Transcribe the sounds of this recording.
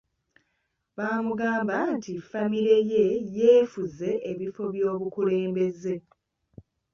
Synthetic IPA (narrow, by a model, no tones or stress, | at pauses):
βaːmuɡaːmbantifamiɾe̞je̞jeːfuze̞ʔːβifo̞βjo̞ːβukule̞ːmbe̞ze̞